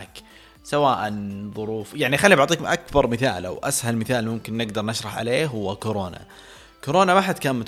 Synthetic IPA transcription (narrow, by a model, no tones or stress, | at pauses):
k | sawaːʔanðˤʊɾuːfjaʕnixalːibaʕt̪ˤiːkmʔakbɑɾˤmɪθaːla̰wʔashalmɪθaːlmʊmkɪnːɪɡd̪ɑɾˤnaʃɾˤɑħʕa̰leːɦʊwːakoɾoːna̰ | koɾoːnamaħad̪kaːnmʊt̪